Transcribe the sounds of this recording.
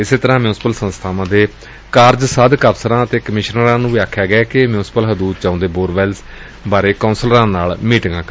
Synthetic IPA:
ɪseːt̪əɾãːmjuːnsɪpəlsə̃nst̪ʰaːʋãːd̪eː | kaːɾd͡ʒsəd̪kəpʰsəɾãːət̪eːkəmɪʃnɾãːnũːʋiːaːkʰːjaːɡɛːkɪmjuːspəlɦəd̪uːt̪̚t͡ʃaːõːnd̪eːboːɾʋɛːlz | baːɾeːkãːnsəlɾãːnaːlmiːʈŋɡãːkː

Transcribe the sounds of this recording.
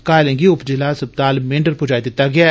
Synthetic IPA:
kaːlẽŋɡiʊpd͡ʒɪlaːsɐb̚t̪aːlmẽːɳɖəɾpʊd͡ʒaːid̪ɪt̪ːaɡɪja

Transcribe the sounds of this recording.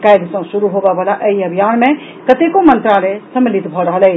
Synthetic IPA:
kajd̪sə̃suɾuɦobɛbəlaʔəiəbʱijanmẽ | kət̪ekomənt̪ɾalɛsəmilit̪bʱɔɾəɦəlɛ

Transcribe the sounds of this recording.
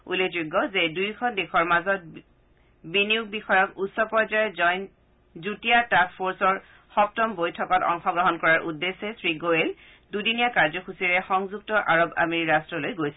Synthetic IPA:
ṵleuɡːɔzedujkʰɔndexʰɔɹmazɔt̚ | binijuɡ̚bixɔjɔkutsɔpɔzajzɔjn | zutijatakpʰoɹsɔɹ | xɔp̚tɔmbojtʰɔkɔtɔ̰ŋxɔɡɹɔɦɔnkɔɹaɹʔudːesɛsɹiɡoel | dudinijakaɹzɔkʰusiɹɛxɔŋzuk̚tɔʔaɹɔba̰miiɹastɹɔlojɡojsɛ

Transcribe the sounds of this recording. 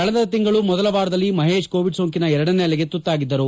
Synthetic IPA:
kɐɭɐd̪ɐɐt̪iŋɡɐɭumɔd̪ɐlɐʋaːɾɐd̪ɐlːimɐɦe̞ːʃko̞ːʋiɖsoːŋkinɐɛɾɐɽɐneɐlɐɡe̞t̪ut̪ːaːɡid̪ːɐɾu

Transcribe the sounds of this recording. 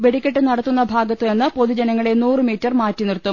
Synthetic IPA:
ʋe̞ɽikʲːeʈːɨnɐɽɐt̪ːunːɐbʱaːɡɐt̪ːenːɨpo̞ðud͡ʑɐnɐŋːɐɭe̞nuːrɨmiːtːɐrmaːtːinirt̪ːum

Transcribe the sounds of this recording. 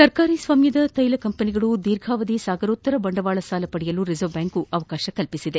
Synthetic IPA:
sɐɾkaːɾisʋaːmjɐd̪ɐt̪ɐjlɐkɐmpɐniɡɐɭud̪iːɾɡʱaːʋɐd̪isaːɡɐɾoːt̪ːɐɾɐbɐɳɖɐʋaːɭɐsaːlɐpɐɽijɐluɾizɐʋbjaːŋkuʔɐʋɐkaːʃɐkɐlpisid̪e

